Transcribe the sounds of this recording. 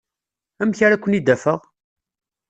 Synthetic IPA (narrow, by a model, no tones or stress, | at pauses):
æmçaɾækʷːənid̪ːæfəʁ